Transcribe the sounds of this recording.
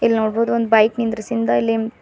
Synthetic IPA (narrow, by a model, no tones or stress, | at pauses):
ilːnoːɽboːd̪uond̪ubɐjknind̪ɾɐsind̪ɐilːi